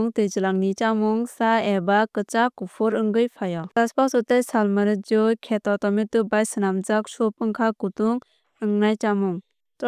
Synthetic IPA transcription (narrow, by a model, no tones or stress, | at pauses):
ŋtɯjzɯlaŋnit͡ʃamuŋsaebakɯt͡ʃakupʰɔɾɯŋɡɯjpʰajɔaspasɔtajsalmɯɾɯd͡ʒɔkʰetɔtɔmetɯbajsɯnamzak̚sɔp̚ɯŋkʰakutuŋ | ɯŋnajt͡ʃamuŋ | t